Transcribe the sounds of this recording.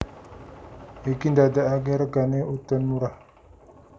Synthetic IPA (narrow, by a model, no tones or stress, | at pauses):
ekindadaaɡeɾaɡaneutənmuɾa